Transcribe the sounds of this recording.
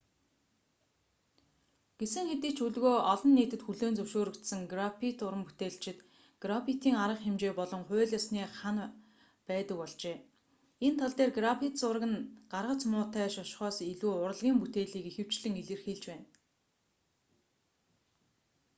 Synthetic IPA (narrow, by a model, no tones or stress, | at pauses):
ɡ̥esɘ̆ŋxet̪ĭːkt͡ɕʰuɮɣoːʔɔɮɞ̆nːiːt̪ɘ̆t̪xuɮoːnt͡sɵwʃoːɾɵ̆kt̪sɘ̆ŋɡrapʰit̪ʊɾə̆mput̪eːɮt͡ɕɪ̆t̪ | ɡ̥rapʰit̪iːŋaɾə̆χxemt͡ɕeːpɔɮɞ̆ŋχʊːɮjasniːχan | pæːt̪ə̆k̚pɔɮt͡ɕeː | ent̪ʰaɮt̪eːrɡrapʰit̪sʊrɣɘ̆nɢarʁə̆t͡smʊːt̪æːʃɔʃχɔːsiɮuːʊɾə̆ɮʁʲiːmput̪eːɮiːkixɘ̆w̥t͡ɕɮɘ̆ŋiɮɘ̆rxeɮt͡ɕpæːn